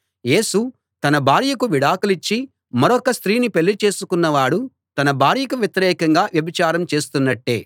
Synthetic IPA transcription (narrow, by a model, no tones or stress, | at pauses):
je̞ːsu | t̪ɐnɐbʱaːɾjɐkuʋiɽaːkulit͡ʃːi | mɐɾɔkɐst̪ɾiːnipeɭːit͡ʃe̞ːsukunːɐʋaːɽu | t̪ɐnɐbʱaːɾjɐkuʋjɐt̪iɾɛːkɐŋɡaːʋjɐbit͡ʃaːɾɐmt͡ʃe̞ːst̪unːɐʈːe̞ː